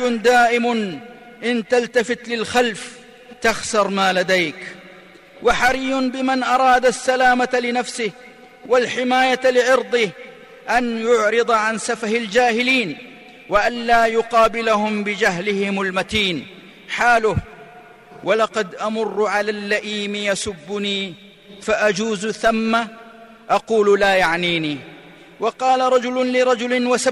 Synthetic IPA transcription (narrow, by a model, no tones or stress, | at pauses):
nd̪aːʔɪmʊ | ʔɪnt̪alt̪afɪt̪lɪlxalf | t̪axsɑɾˤmaːlad̪ajk | waħaɾiːʊnbɪmanʔɑɾˤɑːd̪asːalaːmalɪnafsɪh | walħɪmaːjalɪʕɑɾd̪ˤɪh | ʔanjʊʕɾɨd̪ˤʕansafahald͡ʒaːhɪliːn | waʔanlaːjʊqɑːbɪlahʊmbɪd͡ʒaɦlɪhɪmalmat̪iːn | ħaːlʊh | walɑqɑd̪ʔamʊrˤːʕalaːlːaʔiːmɪjasʊbːʊniː | faʔad͡ʒuːzθamːa | ʔɑquːllaːjaʕniːniː | wɑqɑːlaɾˤɑd͡ʒʊlʊlɪɾˤɑd͡ʒʊlɪnwasa